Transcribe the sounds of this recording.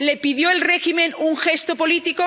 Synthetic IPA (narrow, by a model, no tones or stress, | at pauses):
le̞piðjoelreximẽnuŋxe̞st̪opo̞lit̪iko